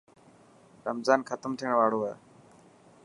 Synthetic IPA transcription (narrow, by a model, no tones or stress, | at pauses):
ɾəmzaːnxʰət̪əmt̪ʰiəɽ̃ʋaːɽoːɦɛː